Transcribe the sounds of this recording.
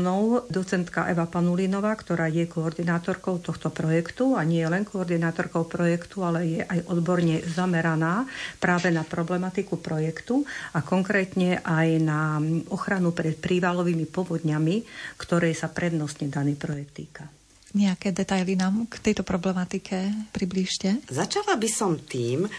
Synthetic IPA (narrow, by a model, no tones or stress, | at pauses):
nɔʊd̪ɔt͡sɛnt̪ka̰ʔɛʋapanulinɔʋaːkt̪ɔɾaːjɛkɔːɾd̪inaːt̪ɔɾkɔʊt̪ɔxt̪ɔpɾɔjɛkt̪uaɲɪɛjɛlɛnkɔːɾd̪inaːt̪ɔɾkɔʊpɾɔjɛkt̪ualɛjɛʔajʔɔd̪bɔɾɲɛzamɛɾanaːpɾaːʋɛnapɾɔblɛmat̪ikupɾɔjɛkt̪uakɔŋkɾɛːt̪ɲɛʔajnaɔxɾanupɾɛt̪pɾiːʋalɔʋiːmipɔʋɔd̪ɲamikt̪ɔɾɛjsapɾɛd̪nɔsɲɛd̪aniːpɾɔjɛk̚t̪ːiːka | ɲɛakɛːd̪ɛt̪ajlinaːmkt̪ɛjt̪ɔpɾɔblɛmat̪ikʰɛpɾibliʃcɛzat͡ʃalabisɔmt̪iːm